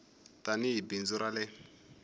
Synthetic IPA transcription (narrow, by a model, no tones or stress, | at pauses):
taniɦibind͡zuɾalɛ